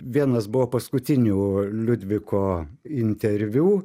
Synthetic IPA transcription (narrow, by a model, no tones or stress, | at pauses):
ʋʲiɛnɐsbʊʋoːpɐskʊt̪ʲɪnʲuːlʲʊd̪ʲʋʲɪkoːɪnʲt̪ʲɛɾʲʋʲuː